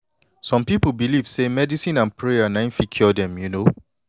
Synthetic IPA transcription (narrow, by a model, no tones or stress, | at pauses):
sɔ̃mpipəbiliv̥semɛdisĩnãnpʰɹeanãɪ̃nfikʰɔdɛ̃mjuno